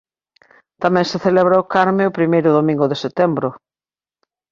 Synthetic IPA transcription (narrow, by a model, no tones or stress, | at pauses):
t̪amɛ̃ŋseθelɛβɾaʊkaɾmeʊpɾimejɾʊðomĩŋɡʊðeset̪ɛmbɾʊ